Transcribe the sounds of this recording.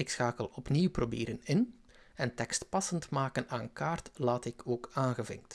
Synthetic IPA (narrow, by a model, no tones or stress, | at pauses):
ɪksxaːkəlˠɔpniwprobḛːɾənɪn | ɛntɛkstpɑsəntmaːkənaːnkaːrtlaːtɪkʰoːkaːnɣəvɪ̰ŋk̚t